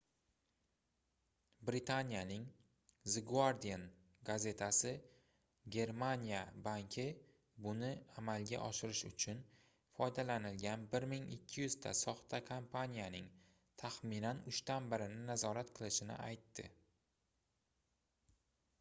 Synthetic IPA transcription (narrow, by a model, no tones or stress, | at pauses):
bɾɪt̪ʰanʲijanɪŋ | zɪɡuaɾd̪ijan | ɡaze̞t̪ʰasɪ | ɡʲe̞ɾmanʲijabaŋkʲʰɪ | bʊnɪamalɡʲa̰ʔɒʃɪɾɪʃʊ̰t͡ʃʰʊn | fɒjd̪alanɪlɡʲanbɪɾmɪŋɪkʲʰːɪjʏzd̪a̰sɒχt̪ʰakʰampʰanʲijanɪŋ | t̪ʰaχminanʊʃt̪anbɪɾɪnɪnazɒɾat̪qʰɨlˠɪʃɪnɪ̰ʔajt̪ːɪ̰